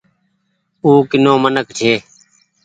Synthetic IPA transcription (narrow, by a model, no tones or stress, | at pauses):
uːkɪnõːmənəkt͡ʃʰeː